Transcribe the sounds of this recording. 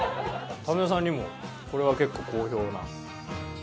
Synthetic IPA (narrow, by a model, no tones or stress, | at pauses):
t̪ameos̬ãɲ̟ːimo̞ | ko̞ɾe̞βake̞kːo̞ko̞ːço̞ːna̰